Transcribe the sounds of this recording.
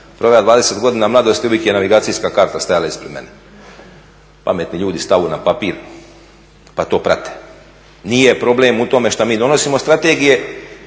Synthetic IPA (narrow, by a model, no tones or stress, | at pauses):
pɾo̞ʋejad̪ʋaːd̪e̞set̪ɡo̞d̪iːnamlˠad̪o̞st̪iuʋjekjenaʋiɡaːsijskakaɾt̪ast̪ajalaispɾe̞d̪me̞̰ne | pa̰me̞t̪niʎuːd̪ist̪aʋunapapiːɾ | pat̪o̞ːpɾa̰t̪e̥ | nijepɾo̞blemut̪o̞me̞ʃt̪amiːd̪o̞no̞simo̞st̪ɾat̪eɡije̞